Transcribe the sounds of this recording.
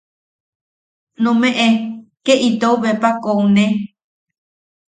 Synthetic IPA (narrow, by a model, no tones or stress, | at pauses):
nõmẽʔẽkeʔit̪ouβepakoũnẽ